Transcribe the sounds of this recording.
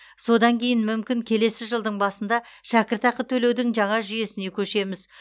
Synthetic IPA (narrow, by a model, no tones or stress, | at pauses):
so̞d̪ɑŋkʲʰe̞jɪnmʏmkʲɪŋkʲʰe̞le̞sɪʒəlˠd̪əɴbɑsənd̪ɑ | ʃækʲɪɾt̪ɑqət̪ʰɵle̞wd̪ɪŋʒɑɴɑʒʏje̞sɪne̞kʲʰɵʃe̞mɪz